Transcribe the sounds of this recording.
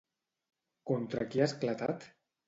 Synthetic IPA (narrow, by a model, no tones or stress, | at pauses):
kont̪ɾa̰kiasklat̪at̪